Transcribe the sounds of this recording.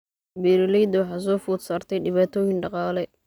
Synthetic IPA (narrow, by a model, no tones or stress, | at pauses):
biːɾɪlɛjd̪wħɑs̬ɔːfuːd̪saːrt̪ʰɛjɖɪβaːt̪ʰɔːjɪnɖɑqɑːlɛ